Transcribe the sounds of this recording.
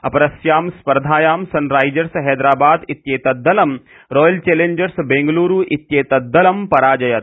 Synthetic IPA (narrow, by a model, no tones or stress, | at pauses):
ɐpɐɾɐsjaːmspɐɾd̪ʱaːjaːmsɐnɾaːjd͡ʒɐɾsɦɛːd̪ɾaːbaːd̪it̪jeːt̪ɐd̪ːɐlɐm | ɾoːjɐlt͡ʃeːleːɲd͡ʒɐɾsbẽŋɡluːɾuːʔit̪jeːt̪ɐd̪ːɐlɐmpɐɾaːd͡ʒɐjɐt̪